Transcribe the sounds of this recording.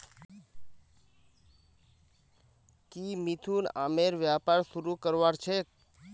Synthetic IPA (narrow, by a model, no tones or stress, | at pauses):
kimit̪ʰuna̰meɾʋjapaɾsuɾukəɾʋaɾt͡ʃʰe